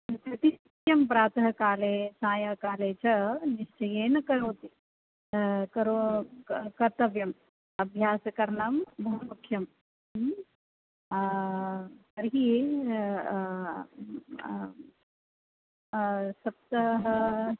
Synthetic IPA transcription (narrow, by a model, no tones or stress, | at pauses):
t̪ɾɐt̪iit̪jɐmpɾaːt̪ɐɦɐkaːleːsãːjɐkaːleːt͡ʃɐniʃt͡ʃɐjeːnɐkɐɾoːt̪i | kɐɾo | kɐɾt̪ɐʋjɐm | ɐbʱjaːsɐkɐɾɳɐmbʱɐɦumukʰjɐm | ɐɾɦi | sɐp̚t̪ɐɦɐ